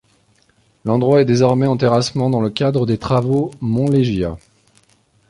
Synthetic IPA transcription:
lɑ̃d̪ʁwaɛd̪ezɔʁmɛɑ̃t̪eʁasmɑ̃d̪ɑ̃ləkʲad̪ʁəd̪et̪χavomɔ̃leʒja̰

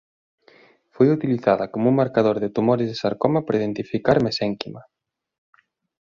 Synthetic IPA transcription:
fojut̪iliθaðɐkomuŋmaɾkaðoɾðɪt̪umoɾɪzðesaɾkɔmapɾaið̞ent̪ifikaɾmesɛŋkima

